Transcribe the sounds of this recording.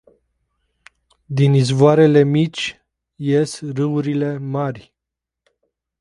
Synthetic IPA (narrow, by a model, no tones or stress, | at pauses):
d̪inizvoaɾe̞le̞mit͡ʃʲ | jesrɨuɾile̞marʲ